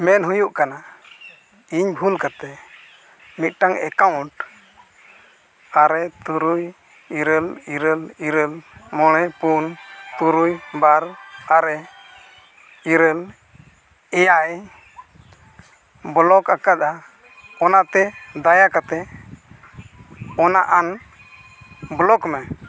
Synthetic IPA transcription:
mɛnɦujuʔkana | iɲbʱulkat̪ɛ | mit̪̚ˀʈaŋɛkawɳʈ | aɾɛt̪uɾuj | iɾəliɾəliɾəlmɔɽ̃ɛpunt̪uɾujbaɾaɾɛ | iɾəl | ɛjaj | bɔlɔkakad̪a | ɔnat̪ɛd̪ajakat̪ɛ | ɔnaʔan | blɔkmɛ

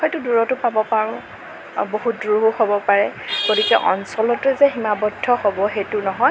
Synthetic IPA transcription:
xɔjtʊduɹɔtʊpabɔpaɹʊ̃ | boɦut̚duɦuhobɔpaɹɛɡ̥odikɛʔɔ̰nsɔlɔtʊzɛɦimabɔdʱːɔhobɔxejtʊnɔɦɔj

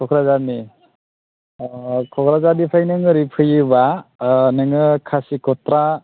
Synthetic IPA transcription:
kʰɔkʰɾazani | kʰɔkʰɾazadipʰajnɯŋɯɾipʰɯjɯbanɯŋɯkʰasikʰɔtɾa

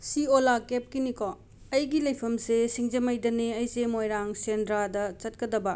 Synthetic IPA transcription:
siolakep̚kinikʰɔ | ɐjɡilɐjpʰɐmsesiŋd͡ʒɐmɐjdɐneɐjsemojɾaŋsendɾadɐt͡ʃɐt̚kɐdɐbɐ

